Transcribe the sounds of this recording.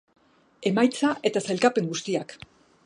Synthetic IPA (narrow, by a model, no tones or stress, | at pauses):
e̞majt͡saʔe̞t̪asajlkape̞ŋɡust̪iak